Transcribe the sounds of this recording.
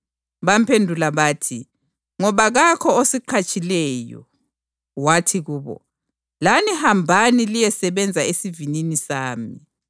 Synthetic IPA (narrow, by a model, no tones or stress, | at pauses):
βam̩pʰendʱulaβaːtʰi | ŋɔβaɣakʰɔosiǃʰat͡ʃʼilɛːjɔ̰ | watʰiɣuːβɔ̰ | lanihambʱanilijɛsɛβɛnd͡zʱaesivininisaːmi